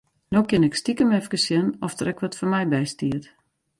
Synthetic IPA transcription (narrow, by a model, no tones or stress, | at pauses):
noːkɪnɛkstikəmɛfkəsjɪnɔfd̥ərɛkʋɔtfɔnmɛjbɛjstiət